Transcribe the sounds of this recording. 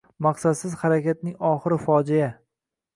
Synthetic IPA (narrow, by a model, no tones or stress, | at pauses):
mɑqsad̪sɪz̥haɾakʲat̪̚nɪŋɒχɨɾɪfɒd͡ʒija